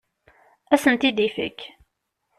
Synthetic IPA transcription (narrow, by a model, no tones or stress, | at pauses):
æsənt̪id̪ifə̰k